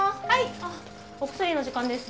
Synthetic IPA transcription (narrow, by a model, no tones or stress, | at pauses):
haia | okɯ̟̥soɾʲino̞ʑikãnd̪e̞sɨ